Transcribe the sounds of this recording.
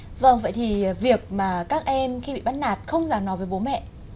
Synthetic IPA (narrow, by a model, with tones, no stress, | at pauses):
və̰˧˩ŋvə̰˧˨jt̪ʰi˨˩vi˨˩ək̚maː˨˩kaː˦˥k̚ʔɛ˧mxi˧ɓḭ˧˨ɓa˧˥nnaː˨˩t̚xə˧wŋ͡mzaː˨˩ŋnɔ˨˦jvəː˨˦jɓo˨˦mɛ̰˧˨